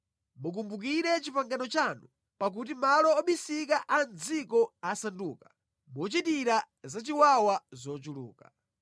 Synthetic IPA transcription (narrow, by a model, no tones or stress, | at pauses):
muk̬umbuk̬iɾɛt͡ʃipaŋɡanɔt͡ʃanu | pak̬ut̬imalɔːɓisik̬aʔand͡zikɔasanduːkḁ | mɔt͡ʃitiɾa | zat͡ʃiwawazɔt͡ʃulṵːka